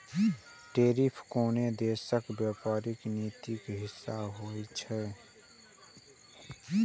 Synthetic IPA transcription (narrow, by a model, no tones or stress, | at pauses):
ʈeːɾipʰkoːned̪eːsəkbjːpaːɾɪkniːt̪ikɦɪsːaɦoːit͡ʃʰɛː